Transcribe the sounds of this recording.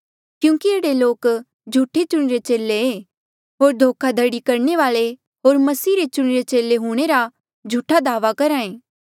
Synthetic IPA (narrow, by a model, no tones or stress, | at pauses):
kjũːkieːɽeloːk | d͡ʒʱuːʈʰet͡ʃʊɽ̃iɾet͡ʃeːlːeeː | ɦoːɾd̪ʱoːkʰad̪ʱɐɽikɐɾɳeʋaːɭe | ɦoːɾmɐsiːɾet͡ʃʊɽ̃iɾet͡ʃeːleɦũːɽ̃eɾa | d͡ʒʱuʈʰːad̪aːʋakɐɾãːẽː